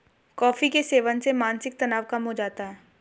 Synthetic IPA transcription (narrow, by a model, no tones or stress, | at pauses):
kɔːfikeseːʋənsemãːnsɪk̚t̪ɐnaːʋkɐmɦod͡ʒaːt̪aɦɛː